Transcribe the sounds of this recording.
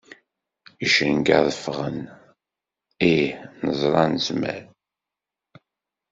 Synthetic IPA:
iʃənɡa̰ðəfʁən | ihnəzˤɾˤɑnəzmæ̰ɾ

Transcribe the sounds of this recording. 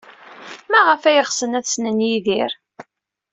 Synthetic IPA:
mæʁəfæjəχsənæθsnənjiðiɾ

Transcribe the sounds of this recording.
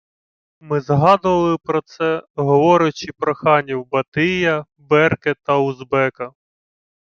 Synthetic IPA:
mɪzɦɑd̪ʊʋɐlˠɪpɾɔt̪sɛɦɔʋɔɾʊt͡ʃɪpɾɔxɑnʲiwbɐt̪ɪjɐ | bɛrket̪ɐʊzbɛkɐ

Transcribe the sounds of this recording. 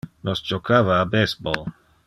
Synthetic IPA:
nosd͡ʒokʰavaːbesbol

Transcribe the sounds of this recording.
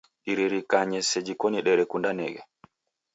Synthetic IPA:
ɗiɾeɾikaɲɛsed͡ʒikoniɗɛɾɛkundanɛ̰ːɡɛ

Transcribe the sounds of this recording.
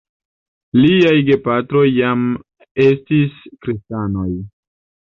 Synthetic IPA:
liajɡe̞patɾo̞jːam | e̞stiskɾistano̞j

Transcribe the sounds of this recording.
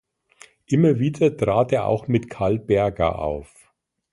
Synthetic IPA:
ʔɪmɐviːdɐtʁ̥aːteːɐʔa̰ʊxmɪtkʰaɐlbɛɐɡɐ̰ʔa̰ʊf

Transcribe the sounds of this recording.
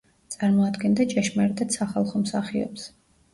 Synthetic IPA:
t̪sʼaɾmɔad̪ɡɛnd̪at͡ʃʼɛʃmɛɾd̪ɛt̪saχalˠχɔmsaχiɔ̰ps

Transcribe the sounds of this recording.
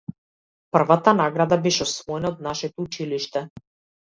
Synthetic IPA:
pr̩vat̪anaɡɾad̪abɛʃɛɔsvɔɛnaɔd̪̚naʃɛt̪ɔut͡ʃiliʃt̪ɛ

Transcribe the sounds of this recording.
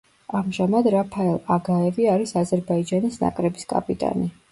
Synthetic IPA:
amʒamad̪ɾapʰaɛlˠaɡaɛviaɾisazɛɾbaid͡ʒanisna̰kʼɾɛbiskʼa̰pʼit̪ʼa̰ni

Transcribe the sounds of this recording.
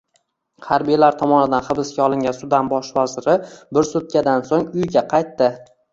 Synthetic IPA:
haɾbijlaɾt̪ʰɒmɒnɪd̪anχɨbɪskʲaɒlˠɪŋʲansʊd̪anbɒʃvazɪɾɪbɪɾsʊt̪̚kʲad̪ansoŋʊjɡʲaqʰɑjt̪ːɪ

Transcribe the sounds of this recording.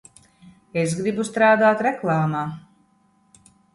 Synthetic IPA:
es̬ɡɾibust̪ɾaːd̪aːt̪ɾɛklˠaːmaː

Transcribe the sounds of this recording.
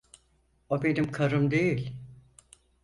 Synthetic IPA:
obe̞nimkʰaɾɯmd̪ejilʲ

